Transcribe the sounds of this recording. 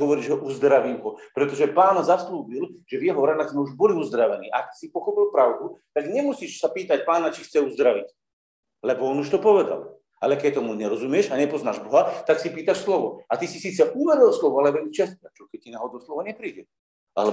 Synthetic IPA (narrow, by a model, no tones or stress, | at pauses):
ɦɔʋɔɾiːʒɛɦɔʔuzd̪ɾaʋiːmɦɔpɾɛt̪ɔʒɛpaːnzasluːbilʒ̥ɛvjɛɦɔɾad̪aɣzmɛuʒbɔliuzd̪ɾaʋɛniːʔa̰aksipɔxɔpilˠpɾaʊd̪ut̪aɡɲɛmusiːʃsapiːt̪ac̚paːnat͡ʃixt͡sɛuzd̪ɾaʋic | lɛbɔɔnuʃt̪ɔpɔʋɛd̪a̰l | a̰lɛkɛc̚t̪ɔmuɲɛɾɔzumɪɛʃaɲɛpɔznaːʒbɔɦat̪aksipiːt̪aʃslɔʋɔat̪isisiːt͡sɛʔuʋɛɾilslɔʋɔalɛʋɛɲt͡ʃɛst̪ɾat͡ʃɔkɛcːinaɦɔd̪ɔslɔʋaɲɛpɾiːɟɛl | a̰lɛ